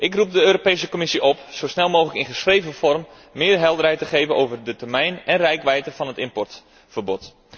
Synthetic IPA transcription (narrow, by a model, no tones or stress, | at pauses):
ʔɪkrup̚dəøːɾopejsəkomɪsiʔɔpsowsnɛlˠmoːxələkɪnχəsxrejvəfɔrmː | ɪːrɦɛlˠdərɦɛjtəχeːvənʔowvərdətərmɛjnɛnrɛjkʋɛjtəfɑnɦətɪmpɔrt | fərbɔt